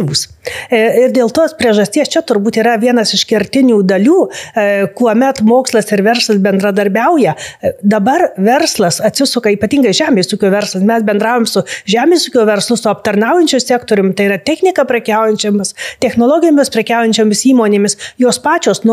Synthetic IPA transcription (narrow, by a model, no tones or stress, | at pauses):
ʋuːs | ɪrd̪ʲeːlˠt̪oːspʲɾʲiɛʒɐsʲt̪ʲiɛst͡ʃʲɛt̪ʊɾbuːt̪iːɾɐʋʲiɛnɐsɪʃkʲɪɾʲt̪ʲɪnʲuːd̪ɐlʲuːkuɔmʲɛt̪moːkslˠɐsɪɾʋʲɛrslˠɐsbʲɛnd̪ɾɐd̪ɐɾʲbʲɛʊjɛd̪ɐbɐrʋʲɛrslˠɐsɐt̪ʲsʲɪsʊkɐiːpɐt̪ʲiːŋɡɐɪʒʲæːmʲeːsuːkʲoːʋʲɛrslˠɐsmʲɛsbʲɛnd̪ɾɑːʋoːmʲsʊʒʲæːmʲeːsuːkʲoːʋʲɛrslˠʊsʊɐpt̪ɐrnɐʊjɛnʲt͡ʃʲʊmsʲæːkt̪oːɾʲʊmʲt̪ɐɪiːrɐt̪ʲɛxʲnʲɪkɐpʲɾʲɛkʲæʊjɛnʲt͡ʃʲoːmɪst̪ʲɛxnoːlˠoːɡʲɪjoːmʲɪspʲɾʲɛkʲæʊjɛnʲt͡ʃʲoːmʲɪsiːmoːnʲeːmʲɪsjoːspɑːt͡ʃʲoːsn